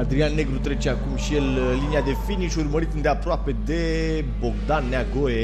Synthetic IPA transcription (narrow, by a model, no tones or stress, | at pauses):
ad̪ɾianːe̞ɡɾut̪ɾe̞t͡ʃeakumʃijel | liniad̪e̞finiʃurməɾit̪ɨnd̪eapɾoape̞d̪e̞ | bo̞ɡd̪anːeaɡoe